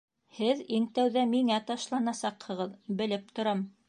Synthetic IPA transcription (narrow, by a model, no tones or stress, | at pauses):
hɘðiŋt̪æwðæmiŋæt̪ɑʃlˠɑnɑsɑqhɤ̆ʁɤðbɘ̆lɘp̚t̪ŏɾɑm